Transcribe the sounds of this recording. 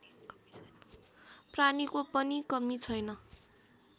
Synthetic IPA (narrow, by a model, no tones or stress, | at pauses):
pranikopʌnikʌmit͡sʰʌjnʌ